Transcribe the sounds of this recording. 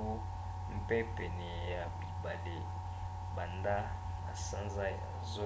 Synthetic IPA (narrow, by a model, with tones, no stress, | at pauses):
u˦ | m̩˦pe˦pe˨nɛ˨ja˨bi˨ba˨le˨ | ba˨nda˦ | a˨sã˦nza˦ja̰˨zo˦